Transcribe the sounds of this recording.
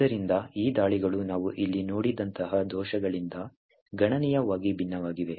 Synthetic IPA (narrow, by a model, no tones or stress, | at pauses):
ɐɾind̪ɐiːd̪aːɭiɡɐɭunaːʋuʔilːinoːɽid̪ɐnt̪ɐɦɐd̪ʱɔːʃɐɡɐɭind̪ɐ | ɡɐɳɐnɛjɐʋaːɡibʱinːɐʋaːɡiʋe̞